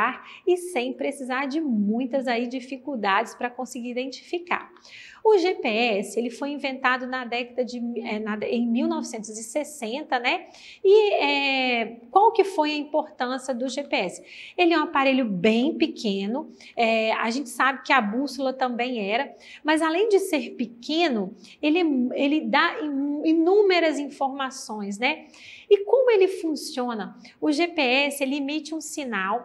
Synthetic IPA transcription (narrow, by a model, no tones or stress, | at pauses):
aɾɪsẽj̃pɾesizaɾd͡ʒɪmũj̃t̪ɐzaid͡ʒifikuwd̪ad͡ʒɪspɾɐkõsɪɡiɾid̪ẽnt͡ʃi̥fika̰ɾ | ʊʒepeɛsɪelɪfojĩvẽnt̪ad̪ʊnɐd̪ɛkɐd̪ɐd͡ʒɪɛnɐẽj̃miwnɔvɪsẽnt̪ʊzɪsesẽnt̪ɐnɛ | ɪɛ | kwawkɪfojɐĩpoɾt̪ɐ̃siɐd̪ʊʒepeɛsɪ̥elɪɛũapaɾeʎʊbẽj̃pɪkʰẽnʊ | ɛa̰ʒẽnt͡ʃɪ̥sabɪkɪabusʊlɐt̪ɐ̃bẽj̃ɛɾɐ | mɐzalẽj̃d͡ʒɪseɾpɪkẽnʊ | elɛelɪd̪aiinũmeɾɐzĩfoɾmasõj̃s̬nɛ | ɪkõmʊelɪfũsiõnɐ | ʊʒepeɛsɪelɪimit͡ʃɪũsinaw